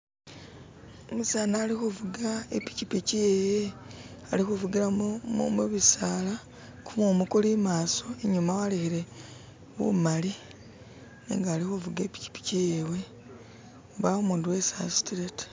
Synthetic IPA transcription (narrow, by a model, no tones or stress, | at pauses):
omusaːnaːlixuvuɡaḛpi̥cipicijeje | alixuvuɡiɾamumuβisaːla | kumomukulimaːso̞eɲumawalehiɾe̞ | wṵmali | nḭŋɡaːlixuvuɡepi̥ci̥pi̥cijewe̞ | βaumuːnduwe̞sa̰si̥tiɾeti̥